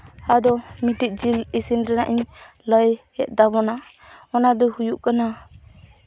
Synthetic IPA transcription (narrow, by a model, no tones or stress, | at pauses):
ad̪ɔmiʈic̪̚ˀd͡ʒilisinɾanaʔiɲ | ləjhɛt̪̚d̪abɔna | ɔnad̪ɔhujuʔkana